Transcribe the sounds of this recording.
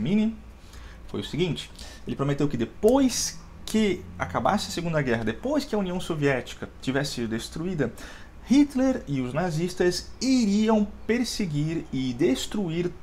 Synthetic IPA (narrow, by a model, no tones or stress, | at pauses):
mĩni | fo̰jʊseɡĩnt͡ʃɪ̥ | elɪpɾomet̪ewkɪd̪epojs | kʰɪa̰kaba̰sɪɐseɡũnd̪ɐɡɛɦɐd̪epojskɪɐuniɐ̃w̃soviɛt͡ʃi̥kɐt͡ʃivɛsɪsid̪ʊd̪est̪ɾuid̪ɐ | hit̪leɾɪʊznazist̪ɐsiɾiɐ̃w̃peɾseɡiɾɪd̪est̪ɾuiɾ